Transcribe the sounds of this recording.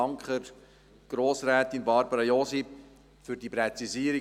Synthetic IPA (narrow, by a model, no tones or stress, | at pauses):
ɑŋkχər | ɡ̥roːsrɛːtinbɑɾbəɾɑjosip | fyrdiprɛt͡siziəɾi